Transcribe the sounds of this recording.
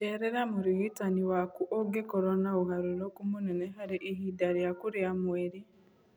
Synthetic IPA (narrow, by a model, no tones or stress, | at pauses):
eɾeɾamuɾiɣitaniwakuʔoɡekoɾonauɦaɾulokumuneneɦaɾiʔiɦidaɾijakuɾjamweɾi